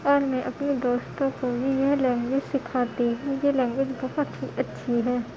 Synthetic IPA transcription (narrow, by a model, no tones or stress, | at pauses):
ɔːɾnẽʔɐpnid̪oːst̪õkobʱijɛɦlɛ̃ːŋɡʋɪd͡ʒsɪkʰaːt̪iɦɛ̃jelɛ̃ːŋɡʋɪd͡ʒbɔɦɔt̪ɦiʔɐtːʃʰiɦɛː